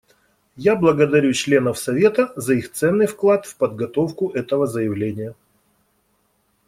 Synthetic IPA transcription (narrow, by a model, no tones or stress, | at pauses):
jablˠəɡəd̪ɐɾʲut͡ɕlʲe̞nəfsɐvʲe̞t̪əzɐixt̪sɛnːɨjfklˠat̪fpəd̪̚ɡɐt̪ofkʊʔɛt̪əvəzəjɪvlʲenʲɪjə